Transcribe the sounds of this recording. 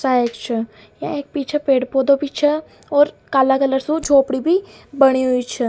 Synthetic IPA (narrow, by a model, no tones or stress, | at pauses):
saːekt͡ʃʰə | jã̰ek̚piːt͡ʃʰepeːɽpoːd̪opiːt͡ʃʰə | ɔːɾ | kaːlakələɾsũd͡ʒʱoːpɽibʱi | bəɽ̃iɦʊit͡ʃʰə